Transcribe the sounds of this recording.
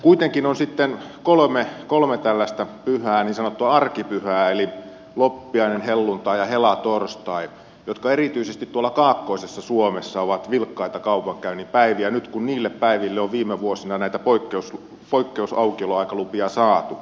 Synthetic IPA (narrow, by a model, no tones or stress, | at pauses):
kuit̪eŋkinonsit̪ːenkolmekolmet̪ælːæst̪æpyhæːniːnsɑnot̪ːuɑɑrkipyhæːeli | lopːiɑinenhelːunt̪ɑijɑhelɑt̪orst̪ɑi | jot̪kɑerit̪yisest̪it̪t̪uolːˑɑkɑːkːoisesːɑsuomesːɑoʋɑt̪ʋilkːɑit̪ɑkɑupɑŋkæynipæiʋiænyt̪kunniːlːeppæiʋilːeoʋʋiːmeʋuosinɑnæit̪æpoikːeus | poikːeusɑukioloɑikɑlupiɑsɑːt̪u